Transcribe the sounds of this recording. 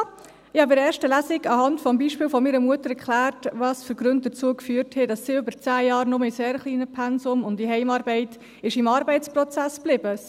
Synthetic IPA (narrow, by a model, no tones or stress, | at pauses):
ɪhɑbɪɾɛːɾʃtəlæsɪɡɑhɑntfɔmbiːʃpɪːlfɔmiɾəmuətəɾɛɾkʰlæːɾtʋɑːsfyɾɡɾɵnt̚dət͡suəkfyːɾthɛd̥ɑsːiːʏbəɾt͡sæːjɑːɾnʊməiseːɾχliːnəpʰɛnsʊmʊndiɦɛɪmɑːɾbɛɪt | ɪʃɪmɑːɾbɛɪt͡sprɔt͡sæsb̥lɪbə